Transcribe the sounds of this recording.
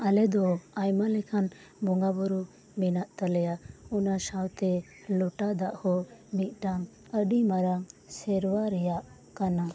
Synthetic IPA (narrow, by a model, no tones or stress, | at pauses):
alɛd̪ɔajmalɛkʰan | bɔŋɡabɔɾu | mɛnaʔt̪alɛjaunasawt̪ɛ | lɔʈad̪aʔhɔmit̪̚ˀʈaŋ | əɖimaɾaŋsɛɾwaɾɛjaʔ | kana